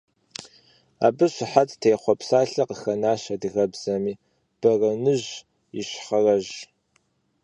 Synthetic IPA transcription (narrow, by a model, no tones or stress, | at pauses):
a̰ːbɨɕʷɪħattʰejːχʷɔpsaːɬɐqəxɐnaːʃɐdɨɣɐbz̥ɐmiː | b̥ɐrɐnɨʑ | iɕχɐrɐʒ